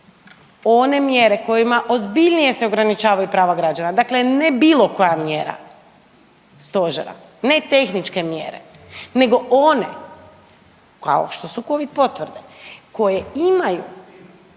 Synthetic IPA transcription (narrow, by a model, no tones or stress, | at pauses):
one̞mjeɾe̞ko̞jimaʔo̞zbiʎnije̞seo̞ɡɾanit͡ʃaːʋajupɾaːʋaɡɾad͡ʒanad̪akle̞nebiːlˠo̞ko̞jamjeːɾa̰ | st̪o̞ʒḛɾa̰ | ne̞t̪e̞xnit͡ʃke̞mjḛːɾḛne̞ɡo̞ʔone̞̰ | ka̰o̰ʃt̪o̞suko̞ʋid̪̚po̞t̪ʋɾ̩d̪eko̞jeimaju